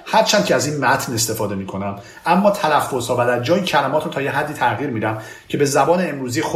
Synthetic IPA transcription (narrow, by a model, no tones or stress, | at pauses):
hæɾt͡ʃʰæn̥cʰeæziːnmæt̪ʰne̞st̪e̞fɒːd̪e̞miːkʰo̞næm | ʔæmːɒːt̪ʰælæfːo̞z̥hɒːvæd̪æɾd͡ʒɒːjicʰælæmɒːt̪ɾot̪ʰɒːjeɦæd̪ːiːt̪ʰæʔɣiːɾmiːd̪æm | cʰe̞be̞zæbɒːneːmɾuːziːx